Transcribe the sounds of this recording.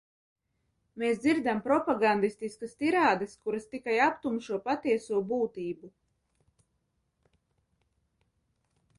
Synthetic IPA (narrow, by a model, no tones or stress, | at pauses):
meːsd̪ziɾd̪ampɾɔpaɡand̪ist̪iskast̪iɾaːd̪ɐskuɾɐst̪ikajapt̪umʃuɔpat̪iɛsuɔbuːt̪iːbu